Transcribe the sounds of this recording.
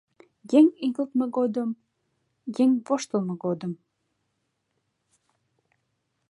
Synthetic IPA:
jeŋiɣəlt̪məɡod̪əm | jeŋvoʃt̪əlməɡod̪əm

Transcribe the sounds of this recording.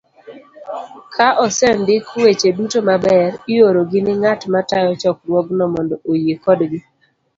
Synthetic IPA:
kʰaʔɔsɛndɪkwet͡ʃedutomabɛɾɪjoɾoɡɪnɪŋatmatajɔt͡ʃɔkɾwɔɡnɔmɔndɔʔojekɔdɡɪ

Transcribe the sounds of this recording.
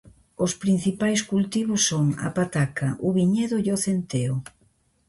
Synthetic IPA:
ʊspɾin̟θipajskult̪iβʊsːoŋa̰pat̪akɐʔʊβiɲeðʊjoθent̪eo

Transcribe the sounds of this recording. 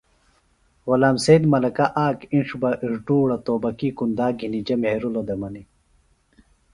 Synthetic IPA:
wolaːmseːd̪mɐlɐkaʔaːkinʂbɐʔiʐʈuːɽɐt̪oːbɐkikund̪aːɡʱinid͡ʑɐmheɾulod̪emɐni

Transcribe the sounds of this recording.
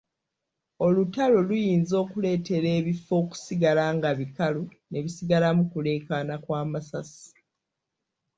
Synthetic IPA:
o̞lutalolujiːnzo̞ːkule̞ːte̞ɾe̞ːβifo̞ːku̥siɡalaːŋɡaβikalu | ne̞βisiɡalamukule̞ːkaːnakwaːmasasi̥

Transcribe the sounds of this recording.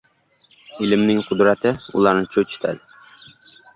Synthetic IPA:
ilɪmnɪŋqʰʊd̪ɾɛt̪ʰɪulˠɑɾnɨt͡ʃʰot͡ʃʰi̥t̪ʰɛ̰d̪ɪ

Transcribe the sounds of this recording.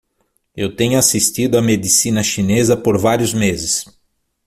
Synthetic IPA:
ewt̪ẽɲʊasist̪id̪ʊɐmed̪isĩnɐʃinezɐpoɾvaɾjʊzmezɪs

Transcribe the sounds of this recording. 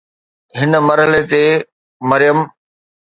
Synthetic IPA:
ɦɪnə̆mɐɾɦəlet̪e | mɐɾɪjəm

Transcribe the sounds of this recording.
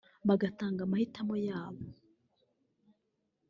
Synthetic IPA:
βaɡataːŋɡamahitamojaːβo

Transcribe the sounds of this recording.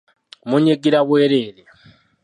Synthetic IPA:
muɲeɡiɾaβweːɾeːɾe

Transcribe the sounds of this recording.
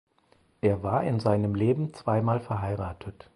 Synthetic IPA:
ʔeːɐvaːɐʔɪnzaɪnəmleːbm̩t͡sv̥aɪmaːlfɛɐɦaɪʁaːtʰət

